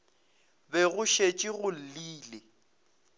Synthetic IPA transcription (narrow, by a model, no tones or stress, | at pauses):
bɛɣʊʃet͡ʃʼɪɣʊl̩liːlɪ